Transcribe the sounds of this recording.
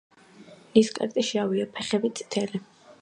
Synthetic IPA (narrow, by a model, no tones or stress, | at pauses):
liskʼɛ̰ɾt̪ʼiʃiaviɛpʰɛχɛbit̪sʼi̥t̪ʰɛli